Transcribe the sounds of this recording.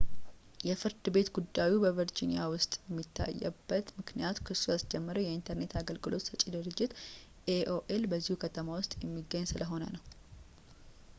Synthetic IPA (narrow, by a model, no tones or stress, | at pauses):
jɛfɨɾd̪ɨbe̞t̪ɡud̪ːajubəvəɾd͡ʒinijawʊst̪ʼjɛmːit̪ʰːa̰jːɛ̰bːət̪mɨknijat̪kʰɨsːujasd͡ʒɛmːəɾəjɛint̪ʰəɾne̞t̪aɡəlɡɨlo̞t̪sət͡ʃʼidɨɾɨd͡ʒːɪt̪ | ʔeʔoʔelbəzːihukʰət̪ʰəmawʊst̪ʼjɛmːiɡːəɲːsɨləɦo̞nə̰nəw